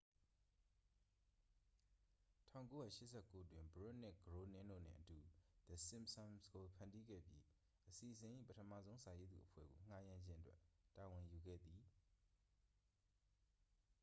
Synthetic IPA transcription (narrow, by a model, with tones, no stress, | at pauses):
tʰã̰˦˨ko˦jä̰˦˨ʃɪ˦ʔsʰɛ˦˨ko˦ʔətwɪ̃˨mbo˦ʔnɪ˦ʔɡəɹo˦nɪ̃˦ndo̰˦˨n̥ɪ̰̃˦˨ʔətu˨d̪̥ə˨sɪ̃˦msɔ̃˨nsɡo˨pʰã˨ndi˦ɡɛ̰˦˨bjḭ˦ | ʔəsi˨ʔəsɪ̃˨ʔḭ˦˨pətʰəmä̰˨zõ˦ʊ̃sa˨je˦d̪ðṵ˨ʔəpʰwɛ̰˦˨ɡo̰˨ŋ̥a˦˨jã˨ɲd͡ʑɪ̃˦ʔə˦twɛ˦ta˨wɪ̃˨ju˨ɡɛ̰˦˨d̪i˨